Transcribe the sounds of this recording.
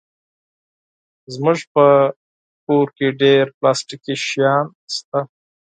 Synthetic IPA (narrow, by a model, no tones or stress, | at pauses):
zmʊʒpə | koɾkeɖeɾplɑsʈikiʃjɑn | st̪a